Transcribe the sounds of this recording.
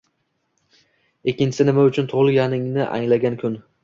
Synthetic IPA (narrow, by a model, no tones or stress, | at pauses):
ekʲːɪnt͡ʃɪ̥sɪnɪmaʊt͡ʃʰʊnt̪ʰʊʁlˠɪjanɪŋnɪʔa̰ŋlaɡʲankʰʊn